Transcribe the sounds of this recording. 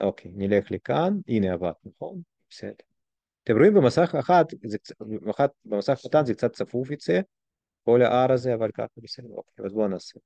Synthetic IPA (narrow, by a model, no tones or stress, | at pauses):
ʔokʰejnilexlikanineava̰t̪nɐχon | b̥e̥sḛd̪eɾ | t̪ɛmɾʊimbəmasaχaxat̪zɛkamaxat̪̚bemasaχxat̪anzɛk̚t͡sat̪t͡safufjot͡se | kolaʔaɾazeavalʲka̰χabesed̪eo̰kʲejazbonaːse